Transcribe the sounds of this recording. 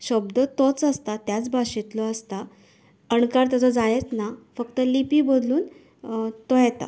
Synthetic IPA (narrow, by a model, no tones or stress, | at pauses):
ɕəbd̪ət̪ot͡səst̪at̪jat͡sbʱaɕit̪lɔəst̪a | əɳkaɾt̪jat͡sɔd͡zajet͡s̪nafəkt̪əlipiːbod̪luːn | t̪ojet̪a̰